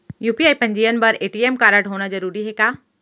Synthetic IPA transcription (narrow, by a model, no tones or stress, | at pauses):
juːpiaːipɐ̃ɲd͡ʑiːjənbɐɾeːʈiːeːmkaːɾəɽɦoːɽ̃ad͡ʑɐɾuːɾiɦeːkaː